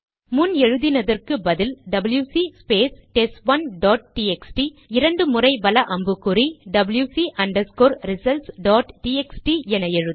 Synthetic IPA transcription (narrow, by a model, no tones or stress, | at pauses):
mʊnɛɻɯðɪnɐðɐrkɯbɐðɪlɖɐbɐljuːsispeːsʈɛsʋɐnɖaːʈ̚ʈiːɛksʈi | ɪɾɐɳɖɯmʊrɐɪbɐlɐʔɐmbɯkːɯriɖɐbɐljuːsiʔɐɳɖɐskoːɾɾɪsɐlsɖaːʈʈiːɛksʈiɛnɐɛɻɯð